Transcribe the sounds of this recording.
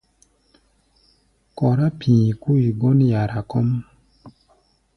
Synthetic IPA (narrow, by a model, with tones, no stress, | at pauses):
kɔ˨ɾa˦pʰĩː˨ku˦i˨ɡɔ˦nja˨ɾa˨kɔ˦m